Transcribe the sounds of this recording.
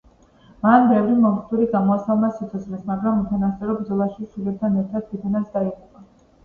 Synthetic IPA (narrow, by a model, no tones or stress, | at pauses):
manbɛvɾimɔmχt̪ʰuɾiɡamɔasalˠmasit̪sʰɔslɛsmaɡɾamut̪ʰanast̪sʼɛɾɔbɾd̪zɔlˠaʃiʃilɛp̚t̪ʰanɛɾt̪ʰad̪̚ʰit̪ʰanat̪sʰd̪aiqʼupʼa